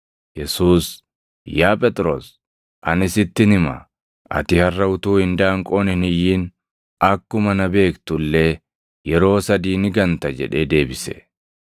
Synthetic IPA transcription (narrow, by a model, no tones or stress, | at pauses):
jɛsuːs | jaːpʼɛt̪ʼɾo̞̰ːs | ʔɐnɪsɪt̪ːɪnɪmɐ̰ | ʔɐ̰t̪ɪhɐrːɐʊt̪uːhɪnd̪aːŋkʼo̞ːnɪnɪjːiːn | ɐkːʊmɐnɐbe̞ːkt̪ʊlːeː | jɛɾo̞ːsɐd̪iːnɪɡɐnt̪ɐd͡ʒɛ̰ᶑe̞ːd̪e̞ːbɪsɛ̰